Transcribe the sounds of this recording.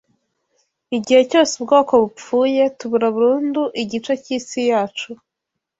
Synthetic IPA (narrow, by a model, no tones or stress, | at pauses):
iɟihe̞co̞ːseb̚ɡo̞ːko̞βup͡fuːje̞tuβuɾaβuɾuːnduʔiɟit͡ʃeciːsijaːt͡ʃu